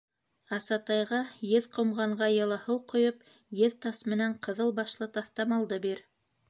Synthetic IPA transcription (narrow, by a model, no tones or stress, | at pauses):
ɑsɑt̪ɑjʁɑjɘðqŏmʁɑɴɢɑjɤ̆lˠɑhɤwqŏjop | jɘðt̪ɑsmɘ̆næɴqɤ̆ðɤlˠbɑʃlˠɤt̪ɑθt̪ɑmɑlˠd̪ɤbiɾ